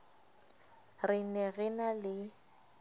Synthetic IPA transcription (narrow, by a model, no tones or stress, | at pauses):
rɪnɛɣɪnalɪ